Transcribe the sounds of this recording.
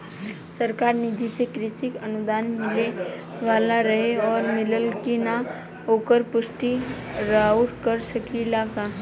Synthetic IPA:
səɾkaːɾnɪd͡ʒisekɾɪsɪkənʊd̪aːnmɪle | ʋaːlaɾəɦeɔːɾmɪləlkina | oːkəɾpʊsʈi | ɾaʊʈkəɾsəkilaka

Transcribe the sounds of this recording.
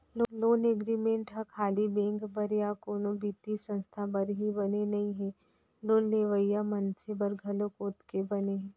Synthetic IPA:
loloːneːɡɾiːmẽɳʈɦakʰaːlibɛ̃ːŋkbɐɾjakoːnõbiːt̪isə̃nst̪ʰabɐɾɦibɐnenɐɦĩɦɛ̃ː | loːnleːʋəjamɐnsebəɾɡʱɐlokoːt̪kebɐneɦɛ̃ː

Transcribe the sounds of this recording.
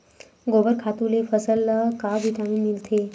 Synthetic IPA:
ɡobəɾkʰat̪ulefəsəlːəkaʋʱit̪amimilt̪ʰe

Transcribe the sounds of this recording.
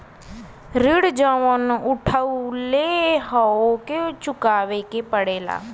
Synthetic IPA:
ɾɪɽd͡ʒaːʋənʊʈʰauleɦaoket͡ʃʊkaːʋekeːpəɽeːla̰ː

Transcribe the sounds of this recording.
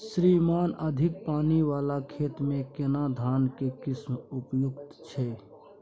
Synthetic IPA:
sɾimaːnəd̪ʱɪk̚paːniʋaːlakʰeːt̪mẽkenad̪ʱaːnkekɪsmʊpjʊɡt̪t͡ʃʰɛ

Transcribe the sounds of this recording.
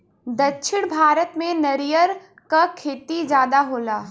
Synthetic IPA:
d̪ɐtːʃʰɪɽ̃bʱaːɾət̪mẽnɐɾijəɾ | kakʰeːt̪id͡ʒjaːd̪aɦoːlaː

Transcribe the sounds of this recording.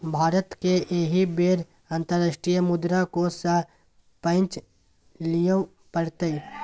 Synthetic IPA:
bʱaːɾət̪keʔeɦibeːɾ | ãnt̪əɾːasʃʈɾijmʊd̪ɾakosə | pə̃nt͡ʃ | lijə | pəɽt̪e

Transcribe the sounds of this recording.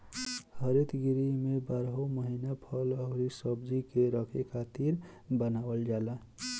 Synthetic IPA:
həɾit̪ɡiɾimebaːɾɦoməɦinapʰələɦɾisəbd͡ʒikeɾəkʰekʰaːt̪iɾbənaːwəld͡ʒaːla

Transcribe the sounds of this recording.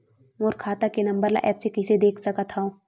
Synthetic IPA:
moːɾkʰaːt̪akenɐ̃mbəɾla̰ʔɛːpsekɪsed̪eːkʰsɐkət̪ʰɦaõː

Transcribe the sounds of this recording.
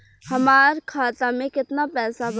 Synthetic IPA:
hɐmaːɾkʰaːt̪amẽkɪt̪napɛːsab

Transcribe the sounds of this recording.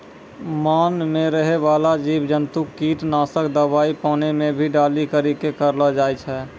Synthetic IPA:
maːnmẽɾəɦeʋaːlad͡ʒiːbd͡ʒənt̪ukːiːʈnaːsəkd̪əbaːipaːnemẽbʱiɖaːlikəɾikekəɾlad͡ʒaːjt͡ʃʰɛː

